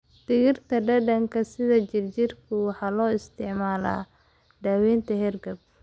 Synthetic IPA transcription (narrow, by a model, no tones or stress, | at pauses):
d̪̥ɪɣɪrt̪ʰɐɖɐɖɐŋkʰɐsɪðɐt͡ʃɪrt͡ʃɪrkʰʊwɑħɑːlɔːɪst̪ʰɪʕmaːla̰ː | ɖɐːwɛːnt̪ʰɐɦɛrɡɐb̚